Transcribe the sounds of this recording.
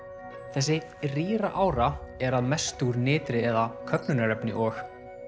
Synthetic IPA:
θɛs̬ːɪ | riːɾaʔaːwɾaɛɾaðmɛst̪uɾnɪːt̪ɾɪɛðakʰœpnʏnaɾɛpnɪ̰ʔɔx

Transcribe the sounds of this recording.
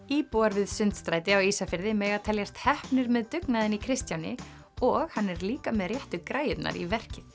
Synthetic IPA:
iːpuaɾvɪðsʏnt̪st̪ɾajt̪ɪawiːsafɪɾðɪmɛːɣat̪ʰɛljɛst̪hɛhpnɪɾmɛðt̪ʏknaðɪnikʰɾɪst̪janɪ | ɔɣhanːɛɾliːkamɛðrjɛht̪ʏkɾaːjɪt̪na̰ɾḭvɛr̥cɪ

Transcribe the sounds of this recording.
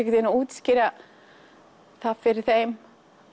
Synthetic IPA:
ɛkcɪt̪ɛnauːt̪scɪɾa | θaðfɪɾɪɾ̥θejm

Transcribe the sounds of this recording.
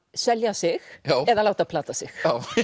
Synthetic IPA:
sɛljasɪxjaɛðalaːwt̪apʰlaːt̪asɪxjaw

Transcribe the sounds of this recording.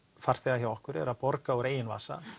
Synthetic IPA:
faɾ̥θɛɣaçjawɔhkʏɾɛ̰ɾaðpɔɾkaɔwɾeːjɪnva̰ːsa̰

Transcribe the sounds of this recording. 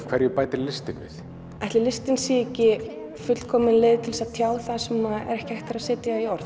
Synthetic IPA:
kʰvɛɾjʏpaːjt̪ɪɾlɪst̪ɪnvɪ̰θ | ajht̪lɪlɪst̪ɪnsiːɛcːɪ | fʏt̪l̥kʰɔːmɪnleːjðt̪ʰɪlsaðt̪ʰjaːwθaðsɛmːaðɛ̰ɾɛhcɪɛht̪ɪɾaðsɪːt̪jaiɔɾ̥θ

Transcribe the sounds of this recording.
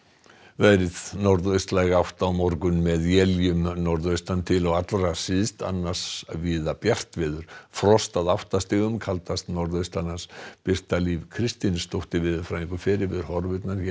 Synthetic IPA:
vɛjɾɪðnɔɾðœɥst̪lajɣaawht̪awmɔɾkʏnmɛðjɛljʏmnɔɾðœɥst̪ant̪ʰɪlɔɣat̪lɾasɪðst̪a̰nːḁsviːðapjar̥t̪vɪːðʏɾ̥fɾɔst̪aðawht̪ast̪ɪːɣʏmkʰalt̪ast̪nɔɾðœjst̪anaspɪr̥t̪alivkʰɾɪst̪inst̪owht̪ɪvɪðʏfɾaːiŋkʏfɪɾɪɾvɪðʏɾ̥hɔɾvɪt̪naɾ̥

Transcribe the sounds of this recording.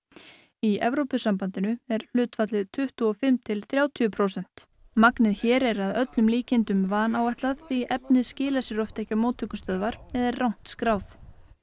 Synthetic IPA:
iɛ̰vɾowpʏsampant̪ɪnʏɛɾ̥l̥ʏːt̪fat̪lɪðt̪ʰʏht̪uɔfɪmt̪ʰɪlθɾjaːwt̪ʰyʏpʰɾowsɛn̥t̪ | maknɪðçɛːɾɛɾaðœt̪lʏmliːcɪnt̪ʏmvaːnawɛjht̪laðθiʔɛpnɪðscɪːlasɪɾɔft̪ɛhcamoːt̪ʰʏkʏst̪œðvaɾ̥ɛðɛɾrawn̥t̪skɾaːwθ

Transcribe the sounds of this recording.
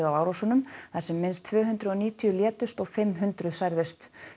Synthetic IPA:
awaːwɾasɔnʏmθaðsɛmːɪnst̪ʰvœːɦʏnt̪ɾɪðɔniːt̪ʰijʏljɛːt̪ʏst̪ɔɣfɪmːɦʏnt̪ɾʏðsajɾðɪst̪

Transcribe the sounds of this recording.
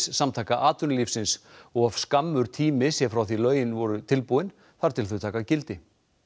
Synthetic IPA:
ssamt̪ʰaːkaʔaːt̪ʏnlifsɪnsɔɣav̥skamːʏɾ̥t̪ʰiːmɪsjɛfɾawθilœːɥjɪnvɔɾʏt̪ʰɪlpuwɪn | θaɾ̥t̪ʰɪlθʏt̪ʰaːkacɪlt̪ɪ

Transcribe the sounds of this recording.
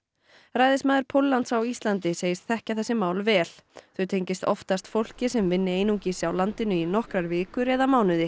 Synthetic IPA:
raːjðɪsmaːðɪɾpʰowlːant̪sawist̪lant̪ɪseːjɪst̪θɛhcaθɛsːɪmaːwlvɛːl̥θœɥt̪ʰejɲcɪst̪ɔft̪ast̪fowl̥cɪsɛmvɪnːɪeːjnuŋcisɪawlant̪ɪnʏinɔhkɾaɾvɪːkʏɾɛːðamaːwnʏðɪ

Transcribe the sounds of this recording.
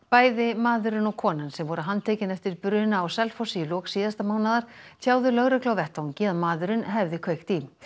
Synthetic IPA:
paːjðɪmaːðʏɾʏnɔɣkʰɔːnansɛmvɔɾʏɦant̪ʰeːjcɪnɛft̪ɪɾpʏɾðɪnaːwsɛlfɔsiʏlɔːksiːðast̪amaːwnaðaɾ̥t̪ʰaːwðʏlœɣɾɛklawvɛht̪awɲcɪaðmaːðʏɾʏnɦɛvðɪkʰvejxt̪im

